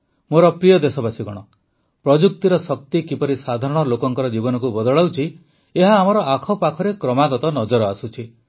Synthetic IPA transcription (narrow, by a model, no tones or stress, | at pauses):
moɾɔpɾijɔd̪esɔbasiɡɔɽ̃ɔ | pɾɔd͡ʒuk̚t̪iɾɔsɔk̚t̪ikipɔɾisad̪ʱaɾɔɽ̃ɔlokɔŋkɔɾɔd͡ʒibɔnɔkubɔd̪ɔɭawt͡ʃʰi | eɦaːmɔɾɔʔakʰɔpakʰɔɾekɾɔmaɡɔt̪ɔnɔd͡ʒɔɾɔasut͡ʃʰi